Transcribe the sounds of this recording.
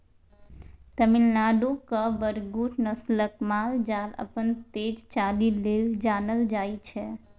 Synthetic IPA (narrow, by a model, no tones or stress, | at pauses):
t̪əmilnaɖokəbəɾɡuʈʰnəsləkmald͡ʒalə̰pənt̪ed͡ʒt͡ʃalileld͡ʒanəld͡ʒajt͡ʃʰɛ